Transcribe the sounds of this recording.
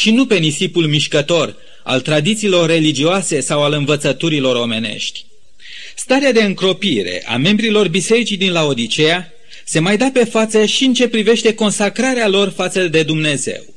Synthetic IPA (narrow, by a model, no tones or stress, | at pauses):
ʃinupe̞nisipulmiʃkət̪o̞r | a̰lt̪ɾad̪it̪siːlo̞rːe̞lid͡ʒioase̞sawalɨnvət̪sət̪uɾilo̞ɾo̞me̞ne̞̰ʃt̪ʲ | st̪aɾead̪e̞ɨŋkɾo̞piɾe̞̰ʔa̰me̞mbɾilo̞rbise̞ɾit͡ʃijd̪inlao̞d̪it͡ʃe̞ja | se̞majd̪ape̞fat̪səʃiɨnt͡ʃe̞pɾive̞ʃt̪e̞ko̞nsakɾaɾealo̞rfat̪səd̪e̞d̪umne̞zḛw